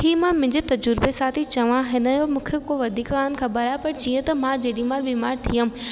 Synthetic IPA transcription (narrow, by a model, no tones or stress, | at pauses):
ʈʰiːmãmʊ̃ɦɪ̃ɲd͡ʑet̪ɐd͡ʑʊɾbesaːt̪ʰit͡ɕɐʋãɦɪnəjomũːkʰekoʋɐd̪ʱiːkkaːnkʰɐbɐɾajapɐɾd͡ʑiːə̃t̪ɐmãd͡ʑɐːɗĩmaːlʋimaːɾt̪ʰijə̃